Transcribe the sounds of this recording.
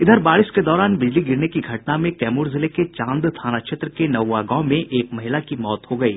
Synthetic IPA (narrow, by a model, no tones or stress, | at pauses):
ɪd̪ʱəɾbaːɭɪsked̪ɔːɾaːnbɪd͡ʒliɡɪɾnekiɡʱɐʈnamẽkɛːmuːɾzɪleket͡ʃãːnd̪t̪ʰaːnakʃet̪ɾəkenɐʋwːaɡãʊ̃mẽʔeːkmɐɦɪlakimɔːt̪ɦoɡɐḭː